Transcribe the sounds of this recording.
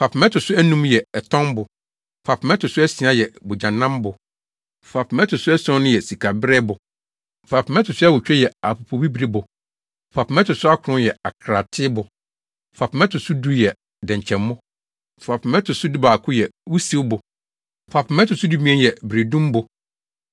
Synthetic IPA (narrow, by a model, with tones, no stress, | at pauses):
fa˨pʰɪ˨mɛ˦tʊ˨sʊ˦æ˦nũ˦mjɛ˨ɛ˨tʰɔ̃˦mbʊ˨ | fa˨pʰɪ˨mɛ˦tʊ˨sʊ˦ɛ˦sĩ˨a˨˦jɛ˨bʊ˨d͡ʑã˨nːã˦mbʊ˨ | fa˨pʰɪ˨mɛ˦tʰʊ˨sʊ˦ɛ˦sɔ̃˦nʊ̃˦jɛ˨si˨kʰa˨bɾɛ˦bʊ˨ | fa˨pʰɪ˨mɛ̃˦tʰʊ˨sʊ˦ɛ˦wʊ˨t͡ɕᶣɛ˦jɛ˨a˨po˨pʰo˨bi˦bi˦bʊ˨ | fa˨pmɛ˦tʊ˨sʊ˦a˦kʊ˨ʊ̃˦jɛ˨a˨kʰɾa˨tʰɪ˦bʊ˨ | fa˨pʰɪ˨mɛ̃˦tʰʊ˨sʊ˦du˦jɛ˨ | dɛ̃˨ɲ˨t͡ɕʰɛ̃˨mː˦ʊ̃˦˨ | fa˨pɪ˨mɛ˦tʰʊ˨sʊ˦du˦ba˨kʰʊ˦jɛ˨wu˦si˦wbʊ˨ | fa˨pʰɪ˨mɛ˦tʊ˨sʊ˦du˦mĩ˦ɛ̃˦jɛ˨bɾe˨dũ˦mbʊ˨